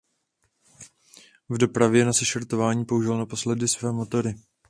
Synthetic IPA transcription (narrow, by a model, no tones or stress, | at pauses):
vdo̞pɾavjɛnasɛʃɛɾt̪o̞vaːɲiːpo̞uʒɪlonapo̞slɛdɪsvɛːmo̞t̪o̞ɾɪ